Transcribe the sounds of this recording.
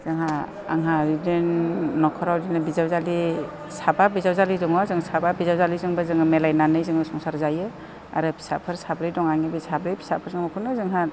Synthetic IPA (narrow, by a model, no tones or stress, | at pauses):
z̥ɯŋɦa | a̰ŋɦaɾidenːɔkʰɔɾawdinɯbizawzali | sababizawzalizɔŋɔzɯŋsababizawzalizɯŋbazɯŋɯmelajnanɯjzɯŋbɯsɔŋsaɾzajɯ | a̰ɾɯpʰi̥sapʰɯɾsabɾijdɔŋaŋibisabɾɯjpʰi̥sapʰɯɾzɯŋmɔkʰunɯzɯŋɦa